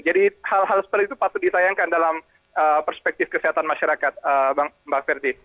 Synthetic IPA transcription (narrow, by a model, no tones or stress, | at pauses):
d͡ʒadihalɦalsə̥pərt̪it̪upat̪udisajaŋkandalam | əpərspɛk̚t̪ɪfkəseɦat̪anmaʃaɾakat̪̚əbabakfɛrdi